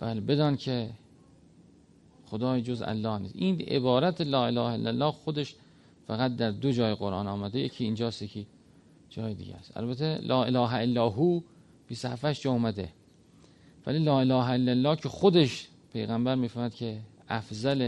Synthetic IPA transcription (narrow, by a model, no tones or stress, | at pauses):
b̥æːlebe̞d̪ɒːnkʰe | xod̪ɒːjd͡ʒozæ̰lːɒːhnḭːsʔiːnʔḛbɒːɾæt̪ʰelɒːe̞lɒːhæḛlːælːɒːxod̪e̞ʃ | fæɣæt̪̚d̪æɾd̪od͡ʒɒːjeɣoɾʔɑ̰ːnɒːmæd̪ejecʰiːnd͡ʒɒːst̪jekʰi | d͡ʒɒːjed̪ḭɡɟæ̰st̪æ̰lbæt̪ʰelʔɒːe̞lɒːɦæelːɒːɦuː | b̥iːst̪ohæfæʃd͡ʒɒːumæd̪e̞̰ | væ̰liːlɒːelɒːɦæelːælːɒːcʰexod̪e̞ʃ | pʰe̞jɣæmbæɾmiːfæɾmæd̪kʲʰe | æfzæle